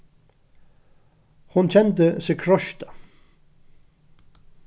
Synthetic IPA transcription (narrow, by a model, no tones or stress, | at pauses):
hʊnt͡ɕʰɛnt̪̬əsɪkʰɾɔʃt̪ḁ